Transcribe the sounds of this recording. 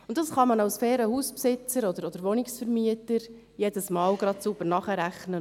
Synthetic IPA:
ʊntːd̥ɑsχɑmɑnɑwsfeːɾəhuːspsɪt͡səɾɔd̪əɾɔd̥̪əɾʋɔnɪksfəɾmiətəɾ | jɛdəsmɑːlɡ̥ɾɑt̪sub̥əɾnɑχəɾæχnə

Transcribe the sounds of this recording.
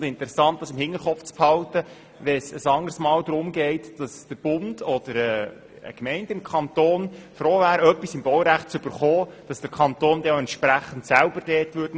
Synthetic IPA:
dɪntəɾɛsɑnt̚dɑsɪmhɪŋːəɾχɔpft͡sphɑltə | ʋɛsəsɑŋərsmɑːld̪ɾʊmɡɛɪtd̥ɑsd̥əɾb̥ʊnd̥ɔd̥əɾɛ | ə̰kmɛɪndɪmkʰɑnt̪oːnfɾoːvæːɾœpːisɪmbɔwɾæχt̚t͡sʏb̥əɾχoːd̥ɑsd̥əɾkʰɑnt̪oːndɛoɛnt̪ʃpɾæχən̩tsælbəɾd̥ɛːtʋʏdn

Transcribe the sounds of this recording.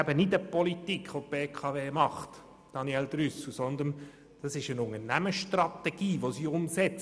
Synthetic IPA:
æbənɪdəpɔlitikʰχʋopeːkʰɑʋeːmɑχt | d̥ɑniɛld̪ɾʏsl̩sɔnd̪ən | d̥ɑsɪʃənʊŋənæməʃtrɑt̪ɛɡ̥iːʋosiʊmsɛt͡s

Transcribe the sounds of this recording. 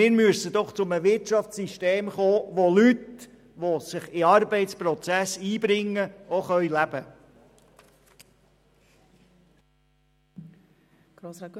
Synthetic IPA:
ɪːɾmyəsəd̥̪ɔχt͡sʊməʋɪrtt͡ʃɑft͡ssiʃteːmχoːʋolyt̪ | ʋosɪχɪɑɾbɛɪtspɾɔt͡sæsiːbɾɪŋːəoχœʏlæb̥ə

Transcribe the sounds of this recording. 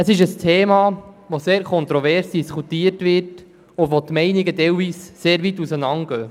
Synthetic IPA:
əsɪʃəstʰeːmɑː | ʋoseːɾkʰɔnt̪ɾɔvɛɾsd̥iskutiːətʋɪrt | ʊʋot̪mɛɪnɪɡədɛwviːsseːɾʋitusənɑŋɡ̥œː

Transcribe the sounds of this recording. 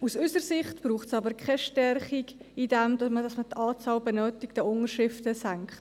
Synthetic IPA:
usʏsəɾsɪχtb̥ɾuːχtsɑbəɾkχɛʃtɛrχiɡidɛmd̥ɑmədɑsmətʰɑːt͡sɑːlbɛnœːtɪk̚d̥ɛʊŋəʃɪftəsæŋkχt

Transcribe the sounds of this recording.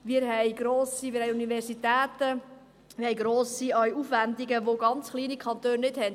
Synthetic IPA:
mɪːɾɦɛjɡ̥ɾoːsimɪːɾhɛjunivɛɾsitɛːtə | ʋɪɾhɛjɡɾoːsiœjufʋænd̪iɡəʋoɡɑnt͡sχliːnikʰɑnt̪øːnːɪdhɛnd

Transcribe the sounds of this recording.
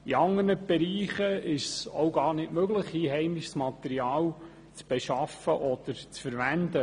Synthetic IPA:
iɑŋːərnəb̥ɛɾiːχəɪʃsowɡɑːɾnɪtmøɡləχiːɦɛɪmɪʃsmɑt̪ɛɾiɑːl | t͡sb̥ɛʃɑfəʔɔd̪̥əɾt͡sfəɾʋænd̪ə

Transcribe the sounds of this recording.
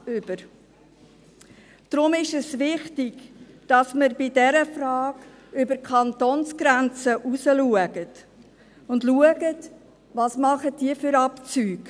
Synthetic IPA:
ʏb̥əɾ | d̥ɾʊmɪʃɛsʋɪχtɪɡ | d̥ɑsməɾbɪdɛɾəfrɑːɡ | ʏbəɾkʰɑntoːnsɡ̥ɾænt͡səʔusəluəɡət | ʊndluəɡət | ʋɑsmɑχətd̥iəfʏɾɑpt͡syːɡ

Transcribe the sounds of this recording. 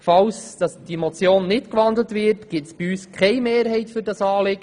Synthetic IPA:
fɑwsd̥ɑsd̥imot͡sjoːnːɪtkʋɑnd̪lətvɪɾtɡ̥ɪtsb̥iyːskχɛjmeːɾɦɛɪtfʏɾdɑsɑːlɪɡ̥ə

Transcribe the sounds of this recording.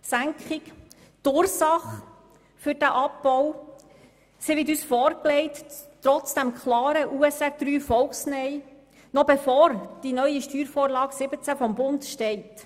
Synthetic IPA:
sæŋkχɪk | tʊːɾsɑχ | fʏɾd̥æʔɑpbɔw | siʋɪtyːsfɔːɾklɛɪttɾɔt͡sd̥æmkʰlɑːɾəʔuːɛsæd̪̥ɾyːfɔlksnɛɪ | nɔbefɔːɾd̥inœʏiʃtyːɾfɔːɾlɑːɡsɪbət͡sæfɔmbʊndʃtɛɪt

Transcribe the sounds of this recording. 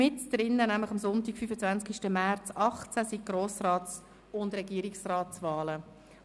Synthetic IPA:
ɪtd̪̥ɾɪnːənæmlɪχɑmsʊntikfyːfət͡svænskiʃtəmɛrt͡sɑχt͡sæsiɡ̥roːsrɑːtt͡s | ʊndrɛɡiːəɾiksrɑːtsvɑːlə

